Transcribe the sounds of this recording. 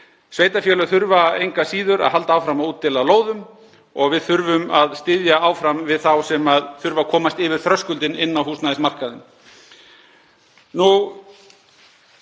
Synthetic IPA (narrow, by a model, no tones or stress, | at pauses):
sveːjt̪afjɛːlʏθʏɾvaejŋkasiːðʏɾa̰ðɦalt̪aaːwfɾamaðuːt̪ʰːɪlaloːwðʏm | ɔɣvɪðθʏɾvʏmaðst̪ɪðjaaːwfɾamvɪðθawsɛmaðθʏɾvakʰɔːmast̪ɪːvɪɾ̥θɾœskʏlt̪ɪnɪnːahuːsnaðɪsmar̥kaðɪm | nu